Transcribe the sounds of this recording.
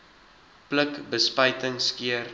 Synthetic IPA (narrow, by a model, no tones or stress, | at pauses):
pləkbəspəjtəŋskiər